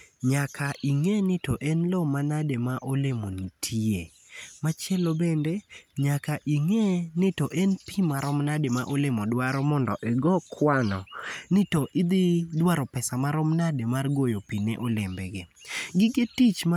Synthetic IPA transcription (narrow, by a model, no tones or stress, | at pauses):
ɲakʰaʔiŋenɪtoʔɛnlomanademaʔolemonitʰie | mat͡ʃjɛlobendeɲakaʔiŋenɪtoʔɛnpimaɾɔmnademaʔolemɔdwaɾɔmɔndɔ̰ʔɛɡɔkʰwanɔnɪtoʔɪd̪idwaɾɔpɛsamaɾɔmnademarɡojopinḛʔɔlɪmbɛɡɪɡɪɡetit͡ʃm